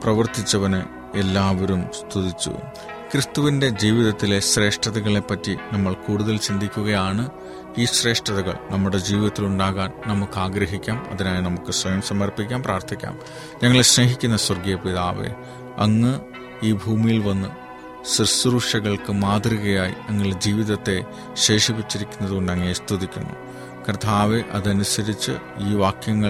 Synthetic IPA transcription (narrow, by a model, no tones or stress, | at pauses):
prɐʋɐrt̪it͡ɕːɐʋɐnɨ | elːaːʋoɾumst̪ʰuðit͡ɕːṵ | krɨst̪uʋinde̞d͡ʑiːʋiðɐt̪ːileɕre̞ːʂʈɐðɐɣɐɭe̞pːɐtːinɐmːɐɭkuːɽuðɐlt͡ɕind̪ʱikʲːuɣɐjaːɳɨ | iːɕre̞ːʂʈɐðɐɣɐ̰ɭnɐmːuɽe̞d͡ʑiːʋiðɐt̪ːiluɳɖaːɣaːnnɐmukːaːɡɾɐɦikʲːaːmɐ̰ðinaːjinɐmukːɨsʋɐjɐmsɐmɐrpikʲːaːmpraːrt̪ʰikʲːa̰ːm | ɲɐŋːɐɭeɕneɦikʲːunːɐswɐrɡjɐpiðaːʋḛ | ɐ̰ŋːɨ | iːbʱuːmijilʋɐnːɨ | srsuɾuʂɐɣɐɭkɨmaːd̪riɣɐjaːjḭɐŋːɐɭd͡ʑiːʋiðɐt̪ːe̞ | ɕe̞ːʂipit͡ɕːiɾikʲːunːɐðukoɳɖɐŋːɐnest̪iðikʲːunːṵ | krɐt̪ʰaːʋeʔɐðɐnusɐɾit͡ɕːɨ̰ | iːʋaːkjɐŋːɐ